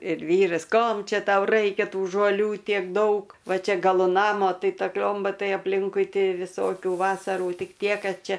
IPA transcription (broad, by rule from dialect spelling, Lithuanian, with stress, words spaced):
ɪr ˈʋʲiːrɐs ˈkoːm ˈt͡ʃʲɛ ˈtɐʊ ˈrɐɪkʲɛ ˈtuː ʒoːˈlʲuː ˈtʲiɛk ˈdɐʊk ˈʋɐ ˈt͡ʃʲɛ ɡɐˈlˠʊ ˈnɑːmoː ˈtɐɪ ˈtɐ ˈklʲoːmbɐ ˈtɐɪ ɐpʲˈlʲɪŋkʊɪ ˈtʲɪ ʋʲɪˈsoːkʲuː ˈʋɑːsɐruː ˈtʲɪk ˈtʲiɛ ˈkɐt ˈt͡ʃʲɛ